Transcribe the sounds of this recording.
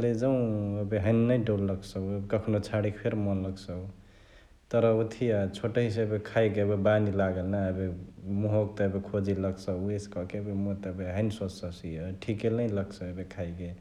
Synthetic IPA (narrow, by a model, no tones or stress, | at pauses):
led͡ʒəw̃əbeɦəɪnnəɖolːəksəəbekəkʰnot͡ʃʰaɽikpʰeɾmɔnləksəu | t̪əɾəut̪ʰiat͡ʃʰoʈəɦiseəbekʰajkebebanilaɡəlnaəbemuɦok̚t̪ɔəbekʰod͡ʒiləksəeskɔkebemot̪əbeɦəɪnsosəsiəʈʰikeləjləksəəbekʰajɡe